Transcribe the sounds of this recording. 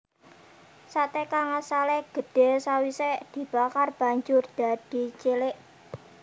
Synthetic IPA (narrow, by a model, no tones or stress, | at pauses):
sat̪ekaŋasaleɡ̥ə̤ɖ̥e̤sawiseʔd̪̥i̤b̥akarb̥a̤ɲd͡ʒʊrd̪̥a̤d̥i̤t͡ʃelɪʔ